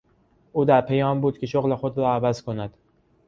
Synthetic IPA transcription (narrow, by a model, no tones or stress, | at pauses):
ʔuːd̪æɾpʰejɒːmbuːd̪cʰʲe̞ʃoɣle̞xo̞d̪ɾɒːævæzkʰo̞næd̪̥